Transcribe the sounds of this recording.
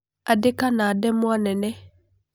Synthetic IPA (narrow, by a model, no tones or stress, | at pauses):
adɪkanadɛmwanɛnɛ